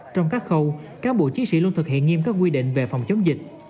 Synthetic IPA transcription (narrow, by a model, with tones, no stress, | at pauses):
t͡ɕɔ˧wŋ͡mkaː˦˥k̚xə˧wkaː˦nɓo̰˧˨t͡ɕi˨˦nsḭ˧˩lnt̪ʰɨ˨˩k̚hḭ˧˨ənŋi˧əmkaː˦˥k̚wi˧ɗḭ˧˨ŋ̟ve˨˩fa˨˩wŋ͡mt͡ɕə˨˦wŋ͡mzï˨˩k̟̚